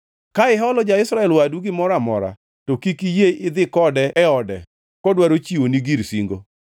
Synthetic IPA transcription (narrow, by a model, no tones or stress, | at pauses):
kaɪɦɔlɔd͡ʒaɪsɾaɛlwaduɡɪmɔɾamɔ̰ɾa̰ | tokikijeɪd̪ɪkɔdɛɛɔdɛ̰ | kɔdwaɾot͡ʃiwoniɡiɾsiŋɡo̰